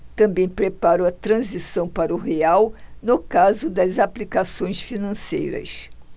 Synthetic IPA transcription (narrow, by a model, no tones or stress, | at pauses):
t̪ɐ̃mbẽj̃pɾepaɾʊɐt̪ɾɐ̃zisɐ̃w̃paɾɐʊɦeawnʊkazʊd̪ɐzaplikasõj̃sfinɐ̃sḛjɾɐ̰s